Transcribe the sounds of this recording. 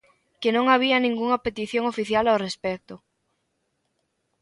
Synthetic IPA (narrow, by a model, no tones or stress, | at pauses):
kenõŋaβ̞iɐnĩŋɡuŋɐpet̪iθjõŋofiθjalawrespɛk̚t̪ʊ